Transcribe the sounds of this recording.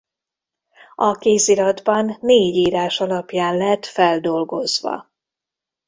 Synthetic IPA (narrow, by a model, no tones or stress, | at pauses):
ɒkeːziɾɒd̪bɒnːeːɟiːɾaːʃɒlɒpjaːnlɛɛt̪fɛld̪o̞lɡo̞zʋɒ̰